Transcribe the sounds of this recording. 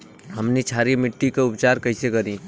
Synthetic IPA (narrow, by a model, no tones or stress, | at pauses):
ɦəmnit͡ʃʰaɾimɪʈːikeʊpt͡ʃaɾkəɦɪsekəɾĩ